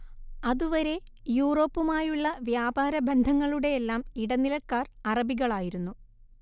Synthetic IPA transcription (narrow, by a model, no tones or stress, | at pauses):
ɐðuʋɐɾe̞ | juːro̞ːpːumaːjuɭːɐʋjaːbʱaːɾɐbend̪ʱɐŋːɐɭuɽe̞elːaːmiɽɐnːilɐkːaːrɐrɐbiɣɐɭaːjiɾunːu